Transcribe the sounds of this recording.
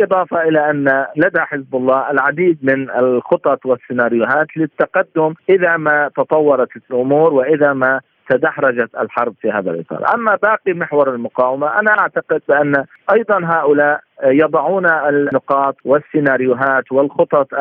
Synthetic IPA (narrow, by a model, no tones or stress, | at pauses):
ʔɨd̪ˤɑːfɑʔɪlaʔanːalad̪aħɪzbʊlˤːɑːʔɪlʕad̪iːd̪̚mɪnɪlxʊt̪ˤɑt̪ˤwɪsːɪnaːɾɪjʊɦaːt̪lɪt̪ːaqad̪ːʊmʔɪðamat̪ɑt̪ˤɑwːɑɾˤɑt̪ʔʊmuːɾwɪʔɪðama | t̪ad̪ahɾˤɑd͡ʒat̪ʔalħɑɾˤbfiha̰ːða̰lʔɨ̰t̪ˤɑ̰ːɾˤʔamːabaːqimɪħwɑɾˤalmʊqɑːwamaʔanaʔaʕt̪aqɪd̪̚bɪʔanːa | ʔɑjd̪ˤɑnɦaːʔʊlaːʔjɑd̪ˤɑʕuːnanʊqɑːt̪ˤwɪsːɪnaːɾɪjʊɦaːt̪wɪlxʊt̪ˤɑt̪ˤ